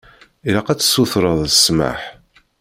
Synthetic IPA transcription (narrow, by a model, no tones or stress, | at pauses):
iɾaqæt͡sːsːuθɾˤəðˤəsma̰ħ